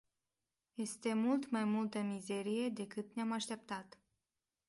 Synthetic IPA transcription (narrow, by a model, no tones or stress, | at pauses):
je̞st̪e̞mult̪majmult̪əmize̞ɾije̞d̪e̞kɨt̪neamaʃt̪e̞p̚t̪at̪